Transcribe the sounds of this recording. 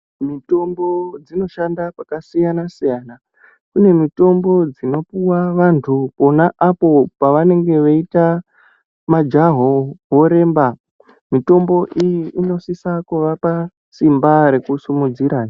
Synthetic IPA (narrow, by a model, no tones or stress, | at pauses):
mito̞mbo̞d͡zino̞ʃandapakasijanasijaːna | kune̞mito̞mbo̞d͡zino̞puwaʋantʰupo̞naʔapo̞paʋane̞ŋɡe̞ʋeita | mad͡ʒaɦoʋo̞ɾe̞ːmba | mito̞mbo̞ʔijiʔino̞sisakuʋapa | simbaɾe̞kusimud͡ziɾaːna